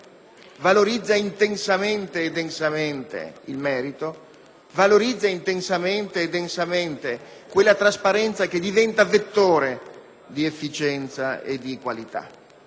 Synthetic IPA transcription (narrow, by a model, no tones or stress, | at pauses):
valoɾid̪zːaint̪ensament̪eːd̪ensament̪ḛḭlmɛːɾit̪o | valoɾid̪zːaint̪ensament̪eːd̪ensament̪ekwelːat̪ɾaspaɾɛnt̪sak̟ed̪ivɛnt̪avet̪ːoːɾe | d̪iefːit͡ʃɛnt̪saḛd̪ikwalit̪a̰